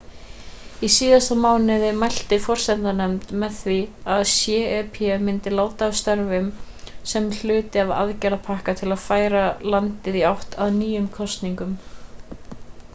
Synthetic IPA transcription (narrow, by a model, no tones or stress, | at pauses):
isiːðast̪amaːwnɪðɪmajl̥t̪ɪfɔr̥sɛnt̪anɛmt̪mɛðθviaðsjɛːɛpʰɛɛmɪnt̪ɪlaːwt̪aːst̪œɾvɪm | sɛml̥ʏːt̪ɪava̰ðcɛɾapʰahkat̪ʰɪlaðfaːjɾalant̪ɪðiawht̪aðnyːjʏmkʰɔst̪niŋkʏm